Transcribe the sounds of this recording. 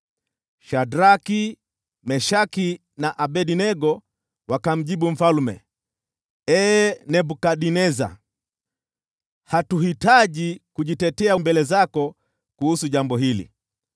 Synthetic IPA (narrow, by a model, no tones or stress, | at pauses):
ʃadɾaki | mɛʃaki | naʔaɓɛɗinɛɡɔ | wakam̩ʄiɓum̩falmɛ̰ | ɛnɛbukaɗinɛza̰ | hatuhitaʄikuʄitɛtɛaumbɛlɛzakɔ | kuhusuʄambɔhilḭ